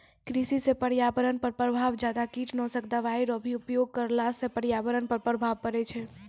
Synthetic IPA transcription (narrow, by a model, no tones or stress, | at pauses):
kɾisisepəɾjabəɾənpəɾpɾəbʱaʋd͡ʒad̪akiʈnɔ̃səkd̪aʋajɾɔbʱiupjoɡ̚kəɾlasẽpəɾjabəɾənpəɾpɾəbʱaʋkəɾɛt͡ʃʰɛ